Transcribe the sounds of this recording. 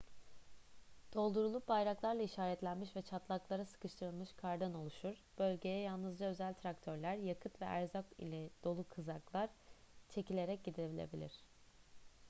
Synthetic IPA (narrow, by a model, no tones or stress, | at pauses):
d̪̥o̞lˠd̪uɾulˠubajɾaklˠaɾlˠaiʃaːɾɛt̪lʲænmiʃvɛt͡ʃʰat̪lˠaklˠaɾɯsɯ̥kɯʃt̪ʰɯɾɯlˠmɯʃkʰaɾd̪ɯno̞lˠuʃuɾ̥b̥ø̞lʲɟe̞jɛjalˠnɯzd͡ʒaø̞zælʲt̪ʰɾakt̪ʰø̞ɾlʲæɾjakʰɯt̪vɛʔæɾzakḭlʲɛd̪̥o̞lˠukʰɯzaklˠaɾ | t͡ʃʰe̞cilʲe̞ɾɛc̚ɟid̪iɾebilʲḛbilʲḭɾ̝̥